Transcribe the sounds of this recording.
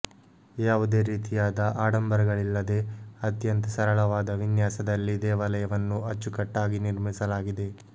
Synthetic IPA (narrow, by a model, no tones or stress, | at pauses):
jaːʋud̪e̞ːɾiːt̪ijaːd̪ɐʔaːɽɐmbɐɾɐɡɐɭilːɐd̪e̞ɐt̪jɐnt̪ɐsɐɾɐɭɐʋaːd̪ɐʋinjaːsɐd̪ɐlːid̪ɛːʋɐlɐjɐʋɐnːuɐt͡ʃːukɐʈːaːɡiniɾmisɐlaːɡid̪e̞